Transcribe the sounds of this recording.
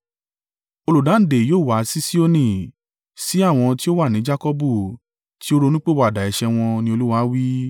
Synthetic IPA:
o˧lu˨dã˨˦n̩˦˨de˨joː˦˨wa˨˦si˦si˦o˧nĩ˦˨ | si˨˦a˦˨w̃ɔ̃˧ti˦o˦wa˦˨nĩ˨˦d͡ʒa˦kɔ˦bu˦˨ | ti˦o˦ɾo˧nũ˦k͡pe˦˨wa˧˨da˨ɛ˨ʃɛ˧w̃ɔ̃˧nĩ˧o˧lu˦wa˧˦wi˦

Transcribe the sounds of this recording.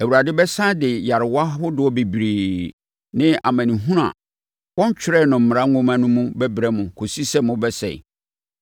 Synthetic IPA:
æ˨wu˨ɾa˨dɪ˦bɛ˦sã˦dɪ˨ja˨ɾɪ˨wa˦ɦʊ˦dɪ˨ɔ˦be˨bɾiː˨ | nɪ̃˦a̰˨mæ̃˨nĩ˨ɦũ˦ɾa̰˨ | wɔ̃˦ɲ˦t͡ɕʰᶣɪ˦ɾɛ˦˨nʊ̃˨m̩˨m̃˨ã˦õ˦mã˦nʊ̃˦mũ˦bɛ˦bɾɛ˦mʊ̃˨kʰo˨si˦sɛ˦mʊ̃˦bɛ˦sɛ̰˨

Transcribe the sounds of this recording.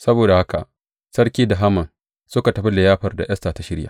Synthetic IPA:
sɐ˦boː˨da˨ha˦ka̰˨ʔ | sɐ˦ɾkʲiː˦da˨ɦa˦mɐ˨n | sʊ˦ka˨tɐ˨ɸi˦lɪ˨jaː˦ɸɐ˨rda˨j̰ʔɐ˦staː˨ta˦ʃɪ˦ɽja̰ː˨

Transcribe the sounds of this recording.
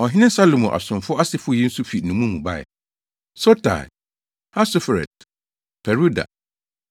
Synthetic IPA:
ɔ˨ɦɪ̃˦nɪ̃˦sa˦lo˨mũ˨ʔa̰˨sʊ̃˨fʊ˦a˦sɪ˨fʊ˦ji˦n̩˦su˦fi˨nũ˨mũ˦mũ˨ba̰˦˨ɛ̰˨ | so˦tʰa̰˨ | ha˦sʊ˦fɾɛ̰˨t̚ | pʰɛ˨ɾu˦da̰˨

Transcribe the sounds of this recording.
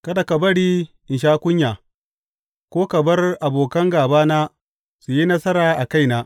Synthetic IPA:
kɐ˦da˨ka˨bɐ˦ɽiː˦ʔɪ˨ʃaː˦kʷʊ˦ɲjaː˨ | kʷoː˦kɐ˨bɐ˦rʔa˨boː˨kɐ˦ŋɡaː˨baː˦naː˦ | su˨ji˦nɐ˦sɐ˦ɾaː˨ʔa˨ka˦˨jnaː˦

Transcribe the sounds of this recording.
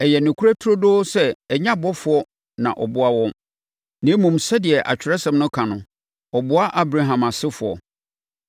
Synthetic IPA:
ɛ˨jɛ˨nʊ̃˨kʰu˦ɾæ˦tʰʊ˦ɾo˦dʊː˦sɛ˦ɛ˨ɲã˦bɔ˦fʊ˨˦ɔ˦ | nã̰˨ʔɔ˨bʊ˦a˦wɔ̃˦m | nɪ̃˦mũ˨msɛ˦dɪ˨ɛ˨ʔa̰˨t͡ɕᶣɪ˨ɾɛ˦sɛ̃˨mnʊ̃˦kʰã˨nʊ̃˨ | ɔ˨bʊ˦a˦ʔa˦bɾa˨ɦã˨ma˨sɪ˦fʊ˨ɔ̰˨

